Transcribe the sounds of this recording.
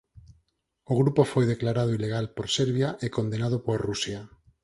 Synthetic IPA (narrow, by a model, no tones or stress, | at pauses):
oɣɾupofojðeklaɾaðʊileɣalpoɾseɾβjaʔekond̪enað̞ʊpoarusja